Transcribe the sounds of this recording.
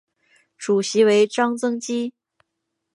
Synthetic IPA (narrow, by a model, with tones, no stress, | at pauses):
ʈ͡ʂu˨˩ɕi˧˥we˧˥ɪʈ͡ʂɑ˥ŋt͡sɤ˥ŋt͡ɕi˥